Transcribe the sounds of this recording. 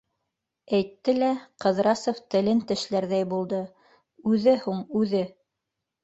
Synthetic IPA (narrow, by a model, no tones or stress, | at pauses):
æjt̪ːɘlæqɤ̆ðɾɑsŏft̪ɘ̆lɘnt̪ɘ̆ʃlæɾðæjbulˠd̪ɤ | ʉðɘhuɴʉðɘ